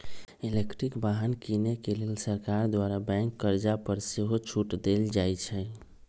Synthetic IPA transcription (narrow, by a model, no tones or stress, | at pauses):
ilekʈɾikbaɦənkinekelelsəɾkaɾd̪waɾabɛ̃ŋkːəɾd͡ʒapəɾseɦot͡ʃʰuʈd̪eld͡ʒajt͡ʃʰɛ